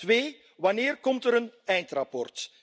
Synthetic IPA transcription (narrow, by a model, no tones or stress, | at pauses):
tʋeː | ʋɑnɪːrkɔmtəɾənɛjntrɑpɔrt